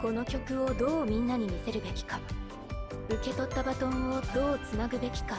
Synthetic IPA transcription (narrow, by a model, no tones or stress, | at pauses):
ko̞no̞kʲo̞kɯ̟o̞d̪o̞ːmʲĩnːaɲ̟imʲise̞ɾɯ̟be̞kʲi̥ka | ɯ̟ke̞t̪o̞t̪ːabat̪õ̞ɰ̃od̪̥o̞ːt͡sɨnaɡɯ̟be̞kʲi̥ka